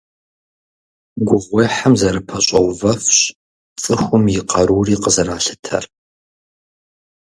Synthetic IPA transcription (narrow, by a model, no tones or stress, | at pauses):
ɡʷʊʁʷeːħamzɐɾɨpʰɐɕʼɐwvɐfɕ | t͡sʼɨxʷʊmjɪqɐɾuːriːqəzɐraːɬɨ̥tʰɐ̰r